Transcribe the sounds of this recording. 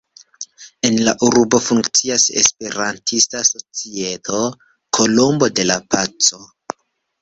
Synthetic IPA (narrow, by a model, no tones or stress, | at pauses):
e̞nlaʔuɾbo̞fuŋkt͡siasḛspe̞ɾantʰistaso̞t͡sie̞tʰo̞ | kʰo̞lo̞mbo̞de̞lapat͡so̞